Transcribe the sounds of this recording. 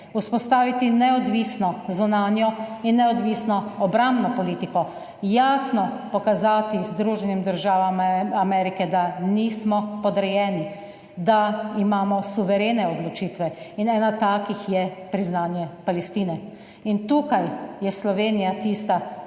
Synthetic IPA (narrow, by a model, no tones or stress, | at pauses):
uspɔst̪aːʋit̪inɛɔd̪ʋisnɔzunaːnjɔinːɛɔd̪ʋiːsnɔɔbɾambnɔpɔliːt̪ikɔ | jaːsnɔpɔkazaːt̪izd̪ɾuːʒɛnjɛmd̪əɾʒaːʋamamɛɾikɛd̪aniːsmɔpɔd̪ɾɛjɛːni | d̪aimaːmɔsuʋɛɾeːnɛɔd̪lɔt͡ʃiːt̪ʋɛinɛːnat̪aːkixjɛpɾiznaːnjɛpalɛst̪iːnɛ | int̪uːkajjɛslɔʋeːnijat̪iːst̪a